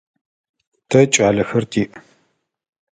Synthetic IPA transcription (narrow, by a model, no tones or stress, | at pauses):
tʰɐt͡ʃʼaːɮɐxɐrtʰiːʔɐ